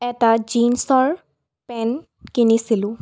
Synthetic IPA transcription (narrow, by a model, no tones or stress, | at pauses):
ɛtad͡ʒinsɔɹ | pɛn | kinisilʊ̃